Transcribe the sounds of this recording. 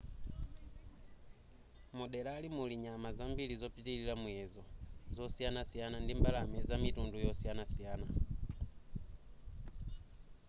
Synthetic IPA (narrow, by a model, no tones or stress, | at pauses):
muɗɛlaːlimuliɲamazambilizɔpitililamuɛzɔzɔsianasijanandimbalamɛzamitundujɔsianasijana